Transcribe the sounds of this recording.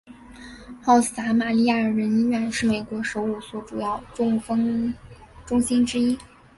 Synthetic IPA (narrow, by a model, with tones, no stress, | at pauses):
xɑ˥˩ʊs̩˨˩t̪a˧˥ma˨˩li˥˧ja˥˩ə˞˨˩ɻə˧˥nɥɛ˧˥nʂɻ̩˥˩me˨˩ɪkwɔ˧˥ʂo˧˥ʊu˥˩swɔ˨˥˩ʈ͡ʂu˨˩jɑ˥˩ʊʈ͡ʂʊ˥ŋfɤ˥ŋ | ʈ͡ʂʊ˥ŋɕi˥nʈ͡ʂɻ̩˥i˥